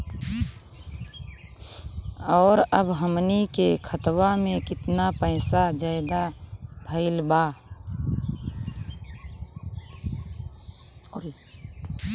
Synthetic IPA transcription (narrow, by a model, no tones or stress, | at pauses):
ɔːɾəbɦəmnikekʰət̪wamẽkɪt̪napəɪsad͡ʒəɪd̪abʱəɪlba